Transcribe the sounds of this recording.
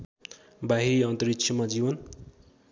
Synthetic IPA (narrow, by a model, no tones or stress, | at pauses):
baɦiɾiʌnt̪ʌɾikt͡ʃʰʌmad͡zibʌn